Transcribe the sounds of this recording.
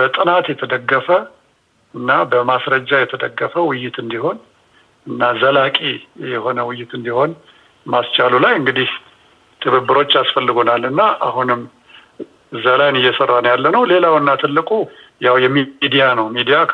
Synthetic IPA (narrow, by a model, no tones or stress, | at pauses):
bət̪ʼɨnat̪jɛt̪ʰəd̪əɡːəfə | ɨnːabəmasɾəd͡ʒːajɛt̪ʰəd̪əɡːəfəwɪjːɪt̪ɨnd̪iho̞n | ɨnːazəlakʼijɛho̞nəwʊjːɪt̪ɨnd̪iho̞n | mast͡ʃʰʼalulajɨŋɡɨd̪ih | t̪ʰɨβɨbːɨɾo̞t͡ʃːasfəlːɨɡo̞nalːɨnːaʔa̰hunɨm | ɨzalajnɨjːɛsərːanəwjalːənəwle̞lawnːat̪ʰɨlːɨkʼujawjɛmid̪ijanəwmid̪ija